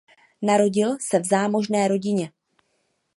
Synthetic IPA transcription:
naɾo̞ɟɪlsɛvzaːmo̞ʒnɛːɾo̞ɟɪɲɛ

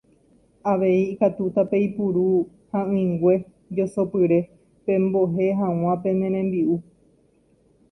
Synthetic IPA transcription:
aʋe̞iːkat̪ut̪ape̞ipuɾu | hãɨ̃ŋɡʷe̞ | d͡ʒosopɨɾe̞ | pẽ̞mboɦe̞ɦãw̃ãpẽ̞nẽɾ̃ẽmbiu

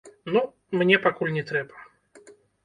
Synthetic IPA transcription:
nu | mnʲepɐkulʲnʲɪt̪ɾʲɛpə̥

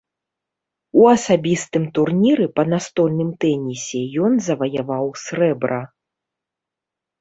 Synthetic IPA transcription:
uɐsabʲist̪ɨmt̪urnʲiɾɨpɐnast̪ɔlʲnɨmt̪ɛnʲisʲɛjɔnzɐvɐjavawsʲrɛbɾɐ

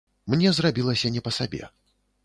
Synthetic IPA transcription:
mnʲɛzrabʲilˠɐsʲɐnʲɛpɐsabʲɛ̰

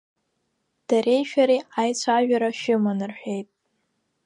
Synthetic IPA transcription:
d̥arʔe̞jʃᶣaɾiajt͡sʷʰaʒᶣaɾaʃɪmanɨrħʷᶣe̞jtʼ

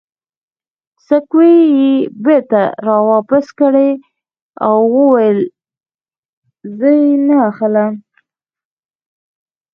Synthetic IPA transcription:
səkwejebeɾt̪aɾɑwɑpaskəɽe | a̰wːəwajəl | zəjnaːxəlam

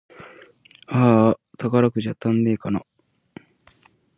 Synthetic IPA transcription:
at̪ʰakaɾakɯ̟ʑat̪ãnːe̞ːkana

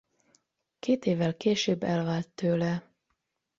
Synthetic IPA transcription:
kʰeːt̪eːvːɛlkeːʃøːbːɛlvaːlt̪ːøːlɛ

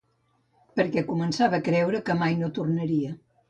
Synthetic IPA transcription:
pəɾkɛkumənsaβəkɾɛwɾəkəmajnot̪urnəɾiə

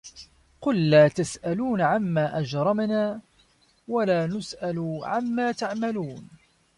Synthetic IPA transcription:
qʊlːaːt̪asʔaluːnʕamːaːʔad͡ʒɾˤɑmnaː | walaːnʊsʔalʕamːaːt̪aʕmaluːn

